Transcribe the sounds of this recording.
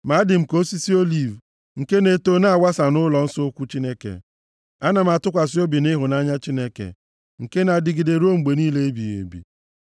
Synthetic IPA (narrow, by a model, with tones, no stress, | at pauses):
ma˨˦dɪ˨m̩˨ko˦si˦si˦o˦li˨v | ŋ̩˨ke˦ne˨to˦na˦a˨wa˦sa˨nʊ˦lɔ˨n̩˦so˦kʷu˦t͡ʃi˦ne˦kḛ˨ | a˦na˨m̩a˨tʊ˦kʷa˨s̬ɪ˦o˦bi˨nɪ˦ɦʊ˨na˦ɲa˦t͡ʃi˦ne˦kḛ˨ | ŋ̩˨ke˦na˨dɪ˨ɡi˨de˨ɾo˦ŋ͡m̩˨ɡ͡be˨niː˦le˦e˦bi˨jḛ˨bḭ˨